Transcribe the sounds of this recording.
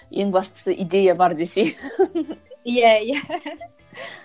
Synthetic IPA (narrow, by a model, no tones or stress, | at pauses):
eŋbɑst̪ə̥səʔid̪ejabɑɾd̪ese | jæjæ